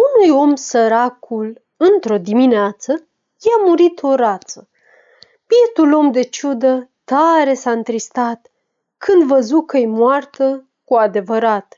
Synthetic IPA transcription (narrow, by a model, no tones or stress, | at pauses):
unujo̞msəɾakʰul | ɨnt̪ɾo̞d̪imineat̪sə | jamuɾit̪ʰo̞ɾat̪sə | piet̪ulo̞md̪e̞t͡ʃud̪ət̪aɾe̞saɨnt̪ɾist̪at̪ | kʰɨnd̪vəzukəjmwart̪ə | kuad̪e̞vəɾat̪